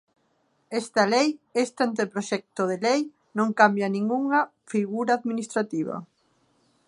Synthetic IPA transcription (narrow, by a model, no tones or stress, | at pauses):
est̪ɐlejest̪ant̪̬epɾoʃɛk̚t̪oðelej | nõŋkambjɐnĩŋɡuŋɐ | fiɣuɾaːðminist̪ɾat̪iβɐ̰